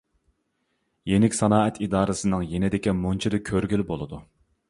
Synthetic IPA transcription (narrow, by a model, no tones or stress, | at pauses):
jenɪkʲsɑnɑːɛt̪ʰid̪ɑːɾɨsɨnɨŋjenɪd̪ɪkʲimont͡ʃʰid̪ɪkʲʰøɾɡʲylbolˠɨd̪u